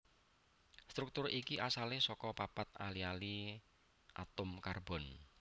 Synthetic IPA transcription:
st̪ɾuk̚t̪ʊrʔikiʔasalesɔkɔpapat̪̚a̰liali | ʔa̰t̪ʊmkarbɔn

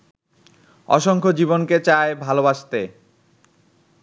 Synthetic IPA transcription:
ɔ̰ʃoŋkʰod͡ʑibonket͡ɕaebʱalobaʃt̪e

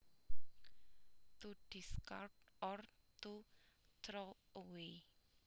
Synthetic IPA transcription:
t̪uɖ̥iska̰rtɔrt̪ut̪ɾoəwe

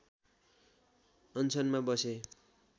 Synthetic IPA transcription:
ʌnt͡sʰʌnmabʌse

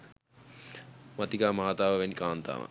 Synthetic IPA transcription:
mɐt̪ikaːmaːat̪aːʋəʋenikaːnt̪a̰ːʋə̰

